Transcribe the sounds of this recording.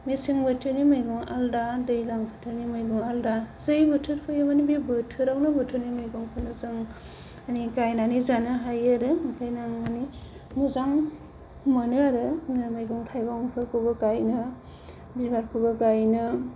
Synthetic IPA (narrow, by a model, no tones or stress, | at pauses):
misiŋbɯtʰɯɾnimɯjɡɔŋaldadɯjlaŋpʰɯtʰɯɾnimɯjɡɔŋaldazɯjbɯtʰɯɾpʰɯjɯmanibibɯtʰɯɾawnɯbɯtʰɯɾnimɯjɡɔŋpʰɯnɯzɯŋ | anikajnanizanɯɦajaɾɯkʰajnaŋmani | nuzaŋ | mɯnɯaɾɯnmajɡɔŋtʰajɡɔŋpʰɯɾkʰɯbɯkajnɯ | bibaɾkʰɯbɯkajnɯ